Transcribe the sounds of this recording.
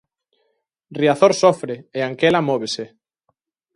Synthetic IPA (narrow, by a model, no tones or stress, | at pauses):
riaθoɾsofɾeeaŋkelamɔβ̞ese